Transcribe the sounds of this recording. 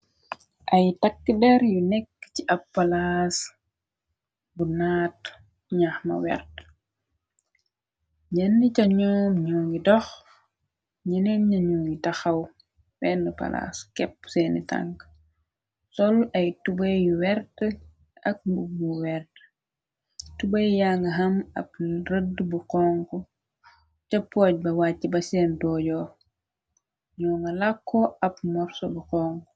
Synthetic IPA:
ʔɐjtakːədɛɾjunɛkːt͡ʃiʔɐpːalas | bunaːt | ɲaxma̰wɛ̰rt | ɲɛnːət͡ʃaɲɔːmɲɔːɡidɔx | ɲinɛnɲaɲɔːŋɡitaxɐw | bɛnəpa̰la̰skɛpsɛnita̰ŋk | sɔlɐjtubejwɛrtə | ɐk̚bubuwɛrt | tubɐjjaːŋɡɐɦɐmɐ̰p̚rədːbuqɔːŋkɔ | t͡ʃɛpːɔːc̚bɐwaːcːibɐsɛːndɔːɟɔː | ɲɔŋɡɐlakʰːɔɐpmɔɾsɔbuqɔːŋk

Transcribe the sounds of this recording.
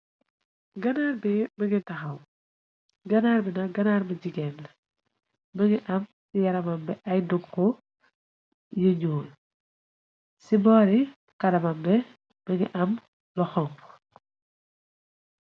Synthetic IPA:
ɡɐnaɾbɛbəŋɡitɐxɐw | ɡɐnaɾbɛnɐɡɐnaɾbəɟiɡɛn | bəŋɡiʔɐm | sijɐɾɐmɐmbɛʔɐjduɡkːɔ | jəɲoːl | sibɔːɾi | kɐɾɐmɐmbɛ | b̥əŋḭʔɐm | lɔxɔŋk

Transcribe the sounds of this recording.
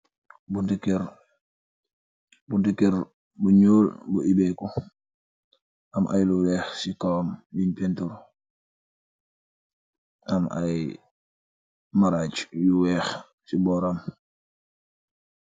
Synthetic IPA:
budikɛɾ | budikːɛɾ | buɲoːlbuibɛkɔ | ʔamʔa̰jluɾɛːxsikawmbinpɛntuɾ | ʔama̰j | maɾaːt͡ʃjuwɛːx | sibɔɾam

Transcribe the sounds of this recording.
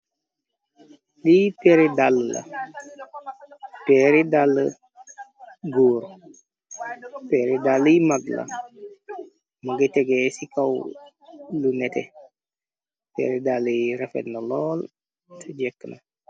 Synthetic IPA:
lipɛɾidalːɐ̰ | pɛɾidalːə | ɡoːɾ | pɛɾidaləjmaɡlɐ̰ | mɐɡətɛɡɛsikaw | lunɛtɛ̰ | pɛ̰ɾidalːəɾɛfɛ̰ndɐlɔːl | tʰəd͡ʒɛkːna

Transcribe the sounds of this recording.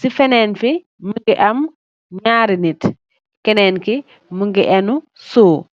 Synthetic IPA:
sifɛnɛːnfi | məŋɡiʔɐm | ɲaːɾinit | kɛnɛːnki | muŋɡiʔɛnusoː

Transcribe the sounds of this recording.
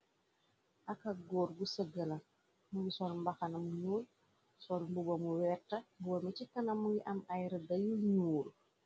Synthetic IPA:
ʔɐkɐɡɔːɾɡusəɡəlɐ | muɡisɔlmbɐxɐnɐmuɲuːl | sɔlmbubomuwɛrtːɐbuɔmicikːɐnɐmːuŋɡiʔɐmajɾɐdɐjuɲuːl

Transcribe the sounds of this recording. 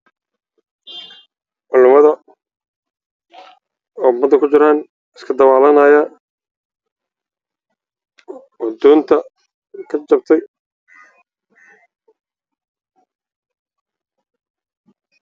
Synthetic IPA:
ʔʊlʊmɐðɐ | ɔːbɐd̪ɐkʰʊt͡ʃɪɾaːn | ɪskʰɐd̪ɐwaːlɐnɐːja | wɔd̪ɔːnt̪ʰɐ | kʰɐt͡ʃɐb̚t̪ʰɛj

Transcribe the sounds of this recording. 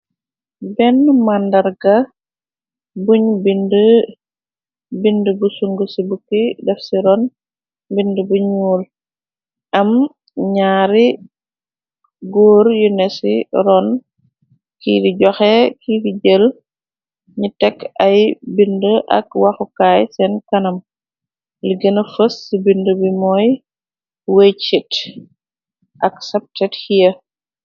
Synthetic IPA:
bɛnmandɐɾɡɐ | buɲbində | bindəbusuŋɡusibukidɛfsiɾɔn | bindəbuɲuːl | ʔɐm | ɲaːɾi | ɡoːɾjunɛsiɾɔn | kidiɟɔxɛkiːdiɟəl | ɲitɛkːɐjbindəʔɐ̰kwɐxukaːjsɛnkɐnɐm | liɡɐnɐfəsːibindəbimɔj | wet͡ʃit | ʔɐksɛp̚tɛthijɐ

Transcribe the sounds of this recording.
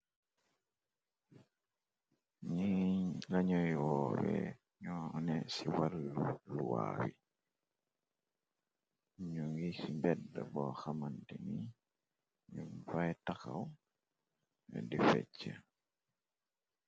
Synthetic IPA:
ɲilaɲɔjwɔːwɛ | ɲɔnɛsiwalːuluwa̰wi | ɲuŋɡisimbɛdːabɔxamantɛni | ɲumfajtaxaw | ɛ̰difɛt͡ʃːɛ

